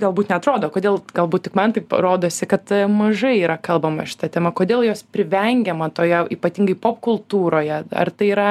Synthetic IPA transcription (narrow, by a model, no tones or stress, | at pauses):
ɡɐlˠbuːt̪nʲɛɐt̪ɾoːd̪oːkoːd̪ʲeːlˠɡɐlˠbuːt̪̚tʲɪkmɐnt̪ɐɪpɾoːd̪oːsʲɪkɐt̪mɐʒɐɪiːɾɐkɐlˠbɐmɐʃʲɪ̥t̪ɐt̪ʲɛːmɐkoːd̪ʲeːlˠjoːspʲɾʲɪʋʲɛŋʲɡʲɛmɐt̪oːjɛiːpɐt̪ʲiŋɡɐɪpoːpkʊlˠt̪uːɾoːjɛɐ̰rt̪ɐɪiːɾɐ